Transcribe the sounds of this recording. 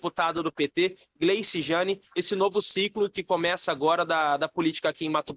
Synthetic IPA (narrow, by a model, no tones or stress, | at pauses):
put̪ad̪ɐd̪ʊpet̪e | ɡlejsiʒɐ̃nɪesɪnovʊsiklʊkɪkomɛsɐaːɡɔɾɐd̪ɐd̪ɐpʊlit͡ʃi̥kɐakiẽj̃mat̪o